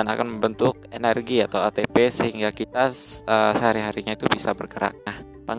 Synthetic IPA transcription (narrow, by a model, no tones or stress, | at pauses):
ana̰kanməmbənt̪ʊk̚enɛrɡiat̪awat̪epesəhiŋɡakit̪aəsəɦaɾiɦaɾiɲait̪ubisabərkəɾa̰k̚nah | paŋ